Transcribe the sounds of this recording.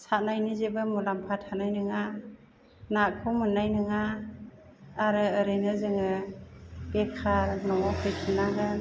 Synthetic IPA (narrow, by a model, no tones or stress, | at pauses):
sanajnizebɯmulampʰat̚ʰhanajnɯŋa | nakʰɯwmɯnajnɯŋa | ɾɯɯɾɯjnɯzɯŋɯ | b̥ekʰaɾnɔŋɔhʰɯjtʰɯnaɡɯn